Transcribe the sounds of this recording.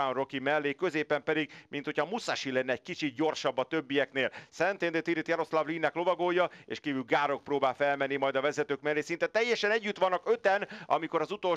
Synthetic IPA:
anro̞kimɛlːeːkøzeːpɛmpɛd̪iɡ̚mʔint̪ho̞cʰɒmusaʃilɛnːɛːɟ̥̚kit͡ʃit̪̚ɟo̞rʃɒbːɒt̪ø̞bːijɛkneːlsɛnt̪end̪et̪iɾit̪jɛɾo̞slavliːnːɛklo̞vɒɡoːjɒḛːʃkiːvyːlɡaːɾo̞k̚proːbaːlfɛlmɛnːimɒjd̪ɒvɛzɛt̪øːkmɛlːeːsint̪ɛt̪ɛjːɛʃɛnɛɟːyt̪ʋɒnːɒkø̞t̪ɛnɒ̰miko̞ɾɒzut̪o̞l

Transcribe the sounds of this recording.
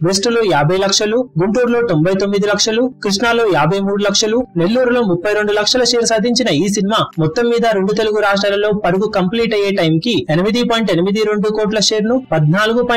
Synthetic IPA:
besʈulo̞ːjaːbʱɐjlɐkʂɐluɡuɳʈuːɾlo̞ːt̪o̞mbʱɐjt̪o̞mːid̪ilɐkʂɐlukɾiʂnaːlo̞ːjaːbʱɐjmuːɽulɐkʂɐlune̞lːuːɾulo̞ːmupːɐjɾe̞ɳɖulɐkʂɐlɐʂe̞ːɾsaːd̪ʱiɲt͡ʃinɐiːsinimaːmɔt̪ːɐmːiːd̪ɐɾe̞ɳɖut̪e̞luɡuɾaːʂʈɾaːlɐlo̞ːpɐɾuɡukɐmpliːʈɐje̞ːʈɐjmkienimid̪ipɔːjiɳʈenimid̪iɾe̞ɳɖukoːʈ̬lɐʂe̞ːɾnupɐd̪ʱnaːluɡupː

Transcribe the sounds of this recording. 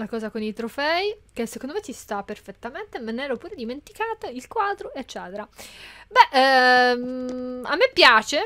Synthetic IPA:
nakɔːzakonit̪ɾofɛik̟esːekond̪omet͡ʃist̪apːerfet̪ːament̪emenɛːɾopuːɾed̪iment̪i̥kaːt̪ailkwaːd̪ɾoet͡ʃːɛːt̪eɾabɛʔ | a̰mːepːjaːt͡ʃe

